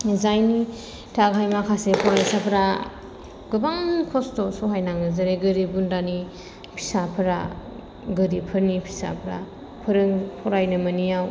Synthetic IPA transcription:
zajni | tʰaɡʰʱajmakʰasepʰɔɾajsapʰɾa | ɡɯbaŋkʰɔstɔsoɦajnaŋɯzɐɾeɡɯɾibundani | pʰi̥sapʰɯɾa̰ | ɡɯɾipʰɯɾnipʰi̥sa̰pʰɾa̰ | pʰɯɾɯŋpʰɔɾajnɯmɐnijaw

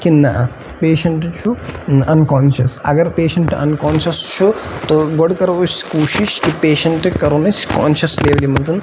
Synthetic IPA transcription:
kinːɐʔɐ | peːʃɐɳʈt͡ʃʰuɐnkaːnʃɐsɐ̰ɡɐɾpeːʃɐɳʈɐ̰nkaːnʃɐst͡ʃʰut̪oɡoɽkɐɾɐʋuʃkuːʃiʃkipeːʃɐɳʈɨkɐɾunɐt͡ʃka̰ːnʃɐsleːʋɐlimɐzɐn

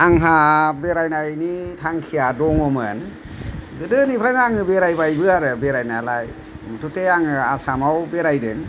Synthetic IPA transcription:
aŋɦabeɾajnajnitʰaŋkʰijadɔŋɔmə̰n | ɡɯdɯnipʰɾajnaaŋɯbeɾajbajbɯaɾɯbeɾajnalaj | mutʰuteaŋɯasamawbeɾajdɯ̰ŋ

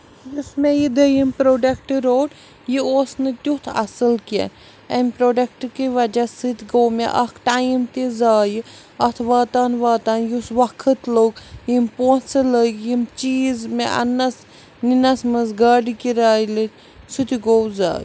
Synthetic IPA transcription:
jismejid̪əjimpɾoːɖɐkʈɨɾoːʈ | jioːsnɨt̪ut̪ʰɐ̰sɨlkḛn | ɐmʲpɾoːɖɐk̚ʈkiʋɐd͡ʒɐsɨt̪ʲʰɡoːwmḛʔɐkʰʈaːjimt̪izaːji | ɐt̪ʰʋaːt̪aːnʋaːt̪aːnjusʋɐkʰːət̪loɡjimpoːnsɨləɡjimt͡ʃiːzmeʔɐ̰nːɐs | ninɐsmɐsɡaːɖikiɾaːjlɨt̪ʲ | sut̪ʲiɡowza̰ːj

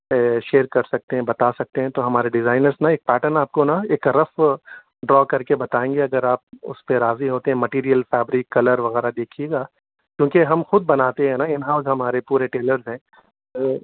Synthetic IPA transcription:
ʃeːɾkɐɾsɐk̚t̪eɦɛ̃bɐt̪asɐk̚t̪eɦɛ̃t̪oɦɐmaːɾeɖɪzaːɪnəɾznaeːk̚pɛːʈəɾnaːp̚konaeːkɾɐf | ɖɾɔːkɐɾkebɐt̪aːẽːŋɡeɐɡəɾaːp̚ʊ̰speɾaːziɦoːt̪eɦɛ̃mɐʈiːɾijəlfɛːbɾikːɐləɾʋɐɣɛːɾad̪eːkʰieɡaː | kjõːkeɦɐmxʊd̪̚bɐnaːt̪eɦɛ̃naɪnɦaːʊzɦɐmaːɾepuːɾeʈeːləɾzɦɛ̃ː

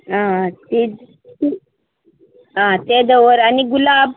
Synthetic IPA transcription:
ɦãt̪i | ti | ɦãt̪ed̪əʋəɾaniɡulab

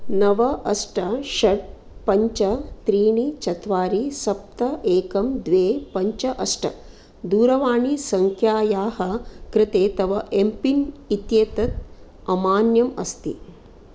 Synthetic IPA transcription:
nɐʋɐʔɐsʈɐʃɐɖ̚ | pɐɲt͡ʃɐt̪ɾiːɳit͡ʃɐt̪ʋaːɾisɐp̚t̪ɐʔeːkɐmd̪ʋeːpɐɲt͡ʃɐʔɐsʈɐ̰ | d̪uːɾɐʋaːɳisɐŋkʰjaːjaːɦɐkɾɪt̪eːt̪ɐʋɐʔempinit̪jeːt̪ɐt̪̚ | ɐmaːnjɐmɐst̪ḭ

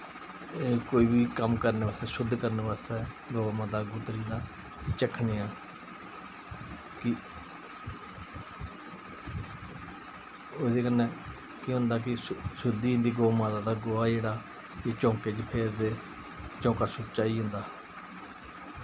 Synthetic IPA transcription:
ekoːiːbiːkəmkəɾneːbaːst̪ɛːsʊd̪kəɾneːbaːst̪ɛː | ɡoːamãːd̪aːɡʊt̪ɾiːnaː | t͡ʃəkʰːneːaː | kɪ | oːd̪eːkənːẽː | kj̃ɦʊ̃nd̪aːk̬ɪsʊd̪iːɦʊ̃nd̪iːɡoːamãːd̪aːd̪aːɡoːaːd͡ʒeːɽaː | eːt͡ʃõːkeːd͡ʒpʰeːɾd̪eː | t͡ʃõːkaːsʊt̪t͡ʃaːiːɦʊ̃ːnd̪aː

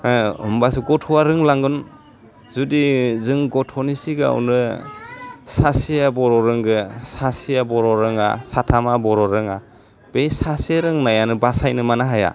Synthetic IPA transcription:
ɯ̰mbasɯɡɔtʰuaɾɯŋlaŋɡɯn | zudizɯŋɡɔtʰɔnisiɡɯa̰ṵnɯ | sasijabɔɾɔɾɯŋɡɯsasijabɔɾɔɾɯŋa̰satʰamabɔɾɔɾɯŋa | b̥ejsaseɾɯŋnajanɯbasajnɯmanaɦaja̰

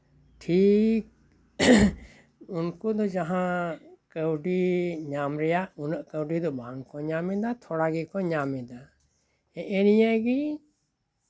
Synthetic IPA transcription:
ʈʰik̚ | unkud̪ɔd͡ʒaɦãkəwɖiɲamɾɛjaʔunəʔkəwɖid̪ɔbaaŋkɔɲamɛd̪at̪ʰɔɽaɡɛkɔɲamɛd̪a | ɛʔɛnijaɡi

